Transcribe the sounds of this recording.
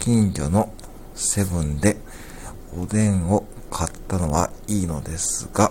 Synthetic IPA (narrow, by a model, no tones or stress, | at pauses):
kʲĩɲd͡ʑo̞̰no̞ | se̞bɯ̟̃nd̪e̞ | od̪ẽ̞ŋo̞ | kʰat̪ːano̞βa̰iːno̞d̪e̞sɨɡ̥a